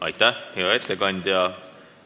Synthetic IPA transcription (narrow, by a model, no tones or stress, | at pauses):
ɑ̰jt̪ːaheoet̪ːekɑnʲd̪ʲɑ